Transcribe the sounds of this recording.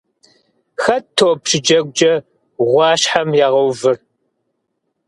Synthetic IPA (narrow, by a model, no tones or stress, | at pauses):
xɐtʰoːpʃɪd͡ʒɐɡ̚ʷd͡ʒɐ | ʁʷɑːɕħamjaːʁɐwvɨr